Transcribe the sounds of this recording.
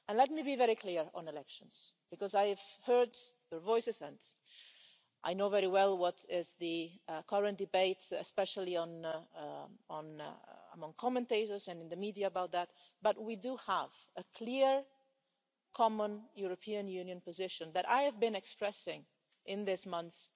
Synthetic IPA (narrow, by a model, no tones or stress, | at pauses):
ə̃nlɛt̚mibivɛɹikʰl̥ɪɹə̰̃nɨlɛkʃə̃nz̥b̥ɨkɔzaɪɨv̥hɜ˞d̪jə˞vɔɪsɨsɛ̃nt | ʔaɪnoʊvɛɹiwɛlˠwʌɾɪzðɨkʰʌɹə̃nd̥ɨbeɪtɨ̰spɛʃl̩ˠiə̃n | ə̃nə̰mʌ̃ŋkʰɑmɨ̃nteɪɾə˞zɨ̃nɨ̃nðɨmidiaəbaʊt̪̚ðæt̚ | b̥ʌt̚widuəv | əkʰl̥iɹ | kʰɑmə̃njuɹəpʰiɨ̃njʉ̃njɨ̃npəzɪʃɨ̃nðɨɾa̰ɪɨvbɨ̃nɨkspɹɛsɪ̃ŋ | ʔɪ̃nðɪsmʌ̃nθs